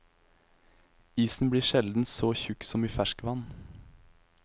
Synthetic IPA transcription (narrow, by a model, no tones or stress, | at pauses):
iːsn̩bliːʃɛld̪n̩soːçʉksɔmiːfæʃkʋɑn